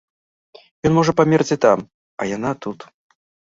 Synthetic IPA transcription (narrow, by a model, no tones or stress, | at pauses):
jɔnmɔʐɐpamʲɛrd͡zʲit̪am | ɐjan̪at̪ut̪